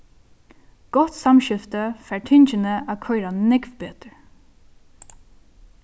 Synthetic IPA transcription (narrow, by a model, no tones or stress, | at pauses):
ɡ̥ɔt̪samʃɪft̪əfæːɹʈʰɪɲt͡ʃənəʔakʰœʏɾanɛkʋbeːt̪əɹ